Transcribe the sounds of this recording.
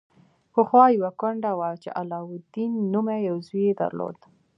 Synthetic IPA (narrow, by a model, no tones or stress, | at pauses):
xəxwɑjawakʊɳɖawat͡ʃḛʔalɑwʊd̪inːumajawzujed̪a̰ɾlo̰d̪